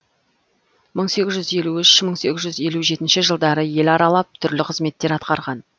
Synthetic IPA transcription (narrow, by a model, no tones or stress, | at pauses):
məɴse̞ɡʲɪzʒʏze̞luɪʃməɴse̞ɡʲɪzʒʏze̞luʒe̞t̪ɪnʃɪʒəlˠd̪ɑɾəje̞lɑɾɑlˠɑp̚t̪ʰʏɾlɪqʰəzme̞t̪ːe̞ɾɑt̪qɑɾʁɑn